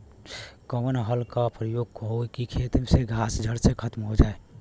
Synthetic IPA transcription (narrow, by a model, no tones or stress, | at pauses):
kəmənɦəlkapɾəjoɡ̚kookikʰet̪mseɡʱasd͡ʒʱəɽsekʰət̪mɦod͡ʒaːe